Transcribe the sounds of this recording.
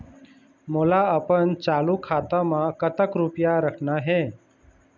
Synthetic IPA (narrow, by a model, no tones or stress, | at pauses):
molaəpənt͡ʃaːlukʰaːt̪amãkət̪əkɾupjaɾəkʰnaɦeː